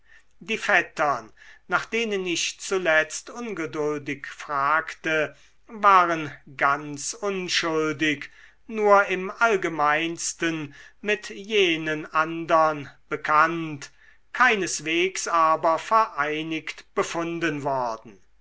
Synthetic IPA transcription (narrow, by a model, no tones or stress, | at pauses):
diːfɛtʰɐnnaːχd̥eːnənɪʃt͡sulɛt͡st̪ʊnɡədʊldɪkfʁ̥aːktə | vaːʁənɡant͡sʊnʃʊldɪk | nuːɐɪmʔalɡəmaɪnstənmɪtjeːnənʔandɐnb̥əkʰant | kʰaɪnəsv̥eːksaːbɐfɛɐʔaɪnɪktb̥əfʊndənvɔɐdn̩